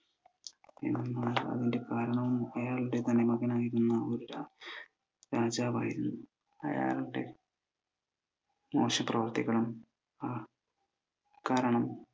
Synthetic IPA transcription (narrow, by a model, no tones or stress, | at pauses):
ḛnːɐmːaɾɐ̰ðinde̞kaːɾɐɳɐʋumɐjaːɭuɽe̞t̪ɐnːe̞mɐɣɐnaːjiɾunːɐoɾuɾa | ɾaːd͡ʑaːba̰ːjiɾunːu | ɐ̰ja̰ːɭuɽe̞̰ | mo̞̰ːɕɐmprɐʋɐrt̪ikːɐɭum | a | kaːɾɐɳɐm